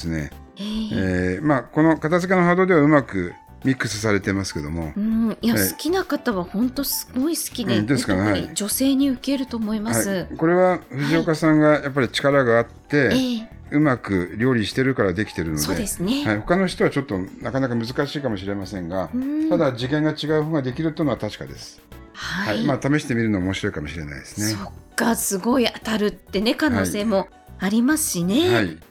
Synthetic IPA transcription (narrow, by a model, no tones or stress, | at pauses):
sɨne̞̰ | eemako̞no̞kat̪azɨk̬ʲe̞noɦad̪o̞ːd̪e̞βaɯ̟makɯ̟ | mʲikːɯ̟sɨs̬aɾe̞t̪e̞masɨ̥ke̞d̪o̞̰mo̞̰ɯ̃jaaisɨ̥kʲinakat̪aβahõ̞nt̪o̞sɨ̥ɡo̞isɨ̥kʲid̪ed̪eskaahaid͡ʑo̞se̞ːɲ̟iɯ̟ke̞ɾɯ̟t̪o̞mo̞imahsaiɨko̞ɾe̞βaɸɯ̟ʑio̞kasãŋɡajap̬ːaɾʲit͡ɕi̥kaɾaɡaːt̪ːe̞ | ɯ̟makɯ̟ɾʲo̞ːɾʲiɕi̥t̪e̞ɾɯ̟kaɾad̪e̞kʲi̥t̪e̞ɾɯ̟nood̪ːed̪esɨnehaiho̞kano̞çi̥t̪o̞βat͡ɕo̞t̪ːo̞nakanakamɯzɨkaɕiːkamo̞ɕiɾe̞masẽ̞ŋɡat̪ad̪ad͡ʑikẽ̞ŋɡat͡ɕiɡaɯ̟hoɡad̪e̞kʲiɾɯ̟t̪ːeiɯnoat̪aɕi̥ka̰d̪e̞sɨ̥ | hahaimaːt̪ame̞ɕi̥t̪e̞mʲiɾɯ̟noːmo̞ɕiɾo̞ikamo̞ɕiɾe̞̰na̰id̪e̞sɨnesokːasɨɡo̞iat̪aɾɯ̟t̪ːe̞ne̞kanaoːise̞ːmo̞ | aɾʲimasɨ̥ɕine̞hai